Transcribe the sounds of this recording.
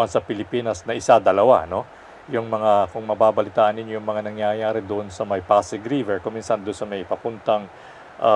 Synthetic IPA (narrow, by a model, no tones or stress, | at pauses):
ɐnsɐpɪlɪpiːnɐsnɐʔɪsad̪ɐlɐwa̰no̞ | jʊŋmɐŋakʊŋmɐbaːbɐlɪt̪aːʔɐnːɪnjojʊŋmɐŋanɐŋjajaːɾɛd̪ʊʔonsɐmɐjpasɪɡɾivɛɹkʊŋmiːnsɐnd̪ʊnsɐmɐjpɐpʊnt̪ɐŋ | ʔɐ